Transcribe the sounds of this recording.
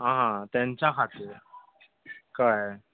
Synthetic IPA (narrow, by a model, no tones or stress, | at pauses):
ɦãɦãt̪jãɲt͡ɕjakʰat̪ʰe | kaj